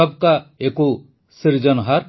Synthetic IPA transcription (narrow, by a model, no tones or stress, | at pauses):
ɔb̚kaeku | siɾd͡ʒɔnɦaɾ